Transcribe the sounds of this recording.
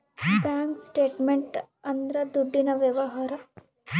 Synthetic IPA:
paːŋksʈeːʈmeɳʈ | ɐnd̪ɾɐd̪uɖːinɐʋjɐʋɐɦaːɾɐ

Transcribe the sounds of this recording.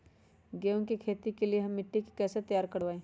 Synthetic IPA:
ɡeːõkikʰeːt̪ikelieɦɐ̃mːɪʈːikkɛːset̪ɐjaːɾkɐɾʋaːẽː

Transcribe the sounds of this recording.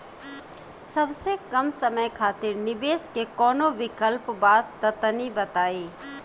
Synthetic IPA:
sɐbsekɐmsɐməjkʰaːt̪ɪɾnɪʋeːskekɔːnoʋɪkəlpbaːd̪t̪ːɐt̪nibɐt̪aːeː

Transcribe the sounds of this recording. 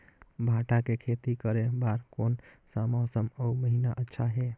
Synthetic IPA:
bʱaʈakekʰet̪ikəɾebaɾkonsamɔsəməuməɦinaʔətːʃʰaɦe

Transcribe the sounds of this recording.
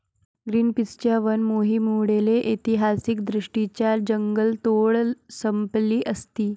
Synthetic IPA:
ɡɾiːnpist͡ɕjaʋənmoɦiːmuwɽeleʔit̪iɦasik̚d̪ɾiʂʈit͡ɕjad͡ʑəŋɡəlt̪oɭsəmpliːʔəst̪iː

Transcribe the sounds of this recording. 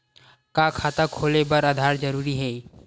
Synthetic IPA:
kakʰaːt̪akʰoːlebɐɾɐd̪ʱaːɾd͡ʒɐɾuːɾiɦɛː

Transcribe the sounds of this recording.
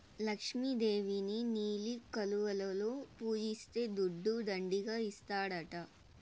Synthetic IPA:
lɐkʂmid̪e̞ːʋininiːlikɐluʋɐlɐloːpuːd͡ʒist̪e̞ːd̪uɖːud̪ɐɳɖiɡaːist̪aːɽɐʈɐ

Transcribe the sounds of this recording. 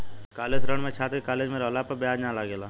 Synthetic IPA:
kaːleːsɾəɳmẽt͡ʃʰaːt̪kekaːleːd͡ʒmẽɾɦlaːpɐɾbɪaːd͡ʒnãlaɡelaː

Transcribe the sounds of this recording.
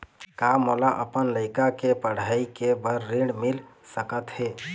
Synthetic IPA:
kamolaʔəpənləɪkakepəɽ̤aikebəɾːiɖmɪlsəkət̪he

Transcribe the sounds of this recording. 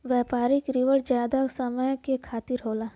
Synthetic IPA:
ʋjɛːpaːɾɪkɾɪʋəɾd͡ʒjaːd̪asəməjkekʰaːt̪ɪɾɦoːlaː

